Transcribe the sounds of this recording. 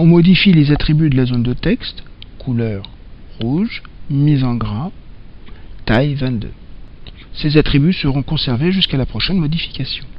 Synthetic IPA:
ɔ̃mɔd̪ifilezat̪χibyd̪əlazond̪ət̪ɛkst̪ | kʰulœʁ | ʁuʒmizɑ̃ɡʁa | t̪ajvɛ̃t̪d̪ø̰ | sezat̪χibysəʁɔ̃kɔ̃sɛʁveʒyskalapχɔʃɛnmɔd̪ifi̥kʲasjɔ̃

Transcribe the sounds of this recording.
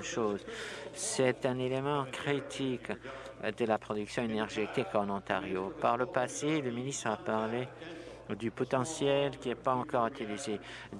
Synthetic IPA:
ʃoːzsɛt̪ɛ̃nelemɑ̃kχit̪ʰik | d̪əlapχɔd̪yksjɔ̃enɛʁʒet̪ikɑnɑ̃t̪aʁjopaʁləpaseləminist̪χapaʁle | d̪ypɔt̪ɑ̃sjɛlkʲiɛpaɑ̃kɔʁyt̪ilize

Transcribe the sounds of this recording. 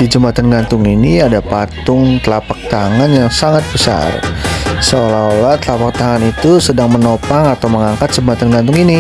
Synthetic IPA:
did͡ʒəmat̪anɡant̪ʊŋiniadapatt̪ʊŋt̪əlapak̚t̪aŋanjaŋsaŋat̪̚bəsa̰rsəolaolaht̪əlapak̚t̪aŋanit̪usədaŋmənopaŋat̪awməŋaŋkat̪̚d͡ʒ̥əmat̪anɡant̪ʊŋini

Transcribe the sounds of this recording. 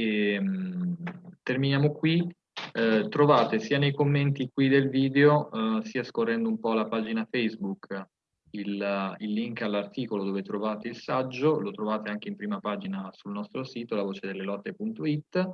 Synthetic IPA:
em | t̪erminjaːmokwi | t̪ɾovaːt̪esiːanejkomːent̪ikwid̪elviːd̪eosiːaskorːɛnd̪oumpɔlapaːd͡ʒinafɛjzbuk | ililːiŋkalːart̪iːkolod̪oːvet̪ɾovaːt̪eilsad͡ʒːolot̪ɾovaːt̪eaŋk̟eimpɾiːmapaːd͡ʒinasulnɔst̪ɾosiːt̪olavoːt͡ʃed̪elːelɔt̪ːepunt̪oit̪ː

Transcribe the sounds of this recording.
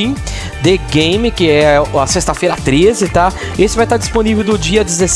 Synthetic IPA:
ĩ | d̪eɡẽj̃mɪkɪɛɐsest̪ɐfejɾɐat̪ɾezɪt̪a | esɪvajt̪aɾd͡ʒi̥sponivewd̪ʊd͡ʒiɐd͡ʒɪzes

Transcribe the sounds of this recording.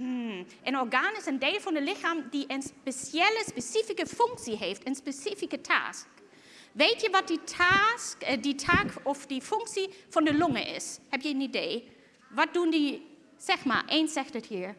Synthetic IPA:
m̩ʔənɔɹɡaːnɪsəndeːlˠfɔnəlɪxaːmdiʔənspesɛləspesifikəfʏŋksiɦeːftənspesifikətʰa̰ːsk | ʋeːtʰjəʋɔt̚ditʰaskditʰaːkɔfdifʏŋksifɔndəlʊŋə̰ʔɪ̰shɛp̚jəənideː | ʋɔt̚d̥undi | sɛxma̰ːɹʔeːnsɛxtəthiːɹ

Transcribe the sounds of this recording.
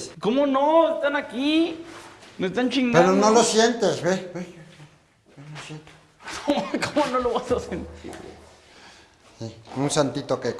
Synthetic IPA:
komonost̪anaki | mest̪ant͡ʃiŋpeɾonõlosjent̪esβee | penosjent̪e̥ | komkomonõloβasasent̪ʰḭɾḛ | siũnsant̪it̪oke

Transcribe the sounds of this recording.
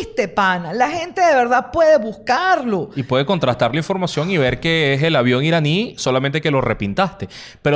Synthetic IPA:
st̪epanalaxe̞nt̪e̞ðe̞βe̞ɾðapwe̞ðe̞βuskaɾlo̞ipweðe̞ko̞nt̪ɾast̪aɾlaiɱfo̞ɾmasjo̞ŋiβe̞ɾkeeselaβjo̞ŋiɾaniso̞lamẽ̞nt̪̬e̞ke̞lo̞re̞pint̪ast̪e̞ | peɾo

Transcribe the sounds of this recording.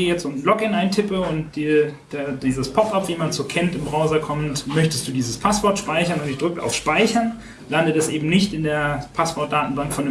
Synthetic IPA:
eəjɛt͡stʊnn̩lɔkɪnʔaɪntʰɪpəʊnt̚d̥id̥diːzəspʰɔpapv̥iːmansoːkʰɛntɪmbʁaʊzɐkʰɔmtmœçtəst̚d̥uːdiːzəspʰasv̥ɔɐtʃpaɪçɐnʊntɪçd̥ʁʏk̚a̰ʊfʃpaɪçɐn | landətɛsʔeːbm̩nɪçtɪndeːɐpʰasv̥ɔɐt̚d̥aːtn̩baŋkfɔnɪ

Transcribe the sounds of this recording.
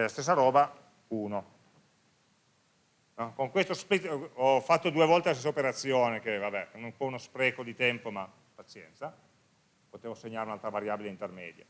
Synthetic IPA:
ɛlast̪es̬ːaɾɔːba | uːno | nɔkoŋkwest̪ospɾit̪ɔfːat̪ːod̪uevɔlt̪elast̪es̬ːaopeɾat̪sːjoːnekevabɛunumpɔunospɾɛːkod̪it̪ɛmpoma | pːat̪sjɛ̰nt̪sa | pot̪eːvoseɲːaːɾeunalt̪ɾavaɾjaːbileint̪ermɛ̰ːd̪ja̰

